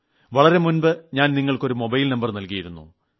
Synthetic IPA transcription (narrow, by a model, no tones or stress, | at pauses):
ʋɐɭɐɾe̞munbɨɲaːnniŋːɐɭko̞ɾumo̞bɐjlnɐmbɐrnɐlkijiɾunːṵ